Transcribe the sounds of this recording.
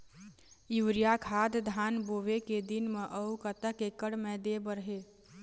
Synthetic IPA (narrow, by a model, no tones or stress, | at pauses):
iʋɾijakʰaːd̪d̪ʱaːnboʋeked̪inmeʔəukət̪əkekəɽmẽd̪ebəɾɦe